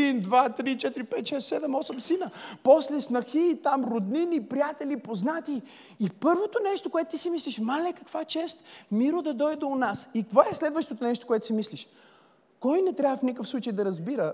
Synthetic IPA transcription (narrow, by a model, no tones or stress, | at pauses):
ind̪vat̪ɾit͡ʃɛt̪iɾipɛt̪ʃɛst̪sɛd̪ɛmɔsəmsinəpɔslɛsnɐxiːt̪amɾod̪ninipɾijat̪ɛlipoznat̪iː | pɤɾvot̪onɛʃt̪okʊɛt̪ot̪isimisliʃmalɛkɐkv̥at͡ʃɛst̪miɾod̪ɐd̪ɔjd̪oːnasikkvoɛslɛd̪vəʃt̪ot̪onɛʃt̪o̥koʊɛt̪ʊ̥simisliʃ | kɔjnɛt̪ɾʲavəfnikəfslˠut͡ʃəjd̪ɐɾɐzbiɾə